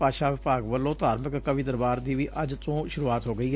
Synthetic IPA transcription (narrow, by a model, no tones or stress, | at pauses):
paːʃaːʋɪpaːɡʋəlːõːt̪aːɾməkkəʋĩːd̪əɾbaːɾd̪iːʋiːʔəd͡ʒt̪õːʃʊɾuːaːt̪ɦoːɡəiːɦɛ